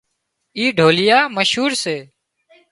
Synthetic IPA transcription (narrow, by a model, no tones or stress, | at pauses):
iːɖʱoːlɪjaːməʃɦuːɾseː